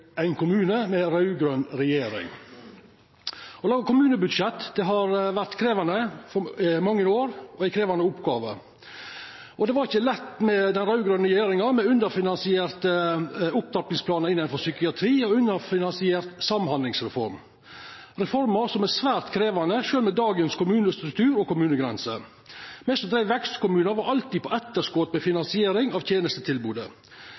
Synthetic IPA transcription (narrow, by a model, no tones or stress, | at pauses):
æɪnkʰʊmʉːnəmɛɾɑʉɡɾœnɾɛjeːɾɪ̰ŋ | ɔlɑːɡəkʊmʉːnəbʉd̪ʂɛt̪ːd̪̥ɛɦɑɾʋæɾt̪kʰɾeːʋɑnəfɔmɑŋːəoːɾɔæɪkʰɾeːʋɑnəʊpɡɑːʋə̰ | ɔd̪ɛʋɑɾɪçəlɛt̪ːmɛd̪ɛnɾɑʉɡɾœnɾɛjeːɾɪŋɑmɛʉnd̪əɾfɪnɑnsɪeːɾt̪əʊp̚t̪ɑp̪nɪŋspʰlɑːnɑɪnːənfɔsʏkɪɑt̪ʰɾiːɔʉnːəɾfɪnɑnsɪeːɾt̪sɑmːhɑnd̪lɪŋsɾɛfɔ̰ɾm | ɾɛfɔɾməsɔmæsʋæːɾt̪kʰɾeːʋɑnəʃøːlmɛd̪ɑːɡənskʰʊmʉːnəst̪ɾʉk̚t̪ʰʉːɾɔkʊmʉːnəɡɾɛ̰nsə̰ | mɛst̪ɔt̪ʰɾæɪʋɛkst̪kʊmʉːnʋɑɾʔɑlt̪iːd̪pʰɔʔɛt̪ːəʂkoːt̪mɛfɪnɑnsɪeːɾɪŋɑʋt̪jeːnəst̪ət̪ʰɪlbuːd̪ə